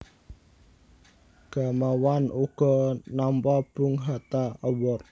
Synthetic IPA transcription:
ɡ̥a̤mawanuɡ̥ɔ̤nampab̥uŋɦat̪aəwɔr

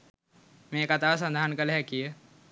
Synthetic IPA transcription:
mẽːkat̪aːs̬ɐ̃nd̪ʱaːnkəlɦɛkij

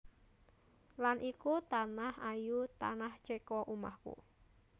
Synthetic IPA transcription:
lanʔikut̪anahajut̪a̰naht͡ʃekɔʔuma̰hkṵ

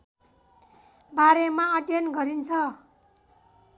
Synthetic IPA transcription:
baɾemaʌʈjʌnɡʌɾint͡sʰʌ

